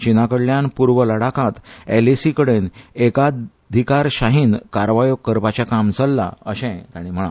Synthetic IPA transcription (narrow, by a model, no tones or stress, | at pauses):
t͡ɕinakəɽljanpuɾʋələɽakãt̪elesikəɽeneka | d̪ʱikaɾɕaɦiːnkaɾʋajoɡkəɾpat͡ɕjakamt͡səlːa̰əɕɛ̃t̪aɽ̃im̤əɭa̰